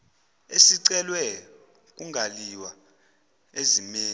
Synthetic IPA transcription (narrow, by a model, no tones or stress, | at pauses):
esiǀɛlwɛ | k̬ʼuŋɡʱaliwa | ezimeː